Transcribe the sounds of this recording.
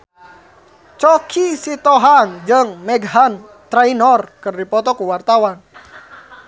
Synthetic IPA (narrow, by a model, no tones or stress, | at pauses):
t͡ʃɔkʰisit̪ɔɦaŋd͡ʒəŋmɛɡɦan | t̪ɾainɔrkɨrdipɔt̪ɔkuwart̪awan